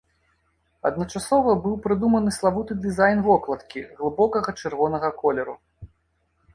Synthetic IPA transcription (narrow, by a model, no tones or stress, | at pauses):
ɐ̰d̪̚nɐt͡ʂasɔvɐbɨwpɾɨd̪umɐnɨslˠavut̪ɨd̪ɨzajnvɔklˠɐt̪kʲiɣlˠɨbɔkɐɣɐt͡ʂɛrvɔnɐɣɐkɔlʲɛɾu